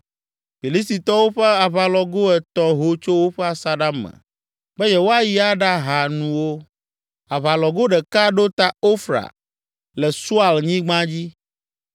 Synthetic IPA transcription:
ɸi˨li˦s̬t̪i˨t̪ɔ˦wo˦ɸɛ˦a˨βa˨lɔ˨ɡo˦ɛ˨t̪ɔ˦ɦo˨t͡ʃo˦wo˦ɸɛ˦a˨sa˦ɖa˦mːɛ̰˨ | bɛ˦jɛ˨wo˦a˦ji˦a˦ɖa˦ɦa˨nũ˨wo˦ | a˨βa˨lɔ˨ɡo˦ɖɛ˨ka˦ɖo˦t̪a˦o˦fɾa̰˨ | lɛ˨su˦a˨lɲĩ˦ɡ͡bã˦d͡ʑi˦

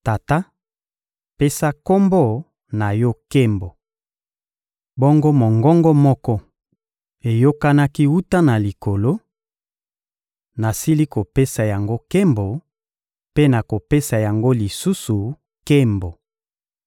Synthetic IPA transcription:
ta˨ta˦ | pe˦sa˦ko˦mbo˦˨ | na˨jɔ˦ke˦mbo˨ | bɔ˦ŋɡo˦mo˨ŋɡɔ˦ŋɡɔ˦mɔ˦kɔ˦ | e˨jo˦ka˦na˦ki˦wu˦ta˦na˨li˨ko˨lo˦ | na˨si˦li˦ko˨pe˦sa˨ja˨ŋɡo˦ke˦mbo˨ | pe˦na˨ko˨pe˦sa˨ja˨ŋɡo˦li˨su˦su˨ | ke˦mbo˨

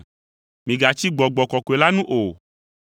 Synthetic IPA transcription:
mĩ˨ɡa˨t͡ʃi˦ɡ͡bɔ˨ɡ͡bɔ˨kɔ˨ko˨e˨la˦nũ˦ʔo˨

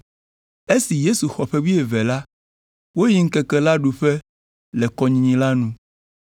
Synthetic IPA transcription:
e˦si˨je˦su˨xɔ˨ɸɛ˦wi˦e˨vɛ˨la˦ | wo˦ji˨ŋ̩˦kɛ˨kɛ˦la˦ɖu˨ɸɛ˦ | lɛ˨kɔ˦ɲĩ˨ɲĩ˦la˦nũ˦

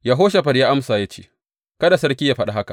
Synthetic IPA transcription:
ja˨ɦoː˦ʃ̬a˨ɸɐ˨djaː˦ʔa˦msaː˨ja˦t͡ʃḛː˦˨ | kɐ˦da˨sɐ˦ɾkʲi˦jaː˨ɸɐ˦ɗa˦ɦa˦ka˨

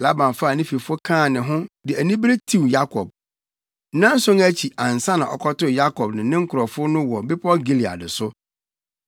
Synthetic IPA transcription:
la˦bã˨nfa˦˨nɪ̃˦fi˨fʊ˦o˦kʰãː˦˨nɪ̃˨ɦʊ̃˦dɪ˨æ˨nĩ˦be˦tʰi˦wja˦kʰɔ˨b̚ | nã˦n̩˦sʊ̃˦ŋæ˦t͡ɕʰi˨ã˨n˨sã˦nã˨ɔ̰˨kʰɔ˦tʊ˦˨ja˦kʰɔ˨bnɪ̃˨nɪ̃˦ŋ̩˦kʰʊ˨ɾɔ˨fʊ˦nʊ̃˦wɔ˨bɪ˦pʰɔ˦ɡi˦li˨a̰˨dɪ˨sʊ˦

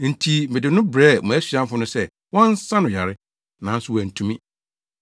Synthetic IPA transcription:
n̩˨tʰi˨m̩˨ɪ˨dɪ˨nʊ̃˦bɾɛː˦˨mũ˨æ˦sɥã˦m˦fʊ˦nʊ̃˦sɛ˦ | wɔ̃˦n˦sã˦nʊ̃˨ja˨ɾɪ˦ | nã˨˦n̩˦sʊ˦wæ˨n̩˨tʰũ˨mĩ˦

